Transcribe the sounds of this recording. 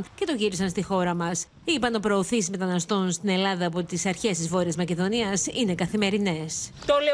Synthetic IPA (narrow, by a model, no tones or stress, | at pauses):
nce̞t̪o̞ʝiɾisɐnst̪ixo̞ɾɐmɐs | ipɐno̞pɾo̞ːθisizme̞t̪ɐnɐst̪o̞nst̪ine̞lɐðɐːpo̞t̪isɐɾçe̞st̪izvo̞ɾiɐzmɐce̞ðo̞niɐsine̞kɐθime̞ɾine̞st̪ole